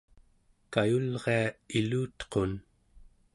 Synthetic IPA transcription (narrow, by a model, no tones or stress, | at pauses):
kajulʁe̞ailuːt̪qon